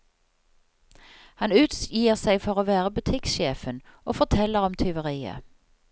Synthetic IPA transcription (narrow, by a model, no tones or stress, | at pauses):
hɑnʉːt̪sjiːəʁsæɪfɔʁoːʋæːʁəbʉt̪ʰɪkʃeːfənʔoːfɔʁt̪ʰɛləʁɔmt̪ʰʏʋəʁiːə̰